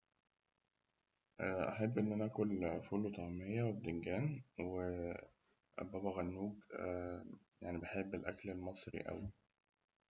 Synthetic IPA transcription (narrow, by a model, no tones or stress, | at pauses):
ʔʔaħebːʔenːʔænæʔæːkʊlfulot̪ˤɑmejːæwed̪eŋɡæːnwe | bæbæɣænːuːɡ | jaʕnibeħebːelʔæ̰klelmɑsˤɾḭʔæ̰wi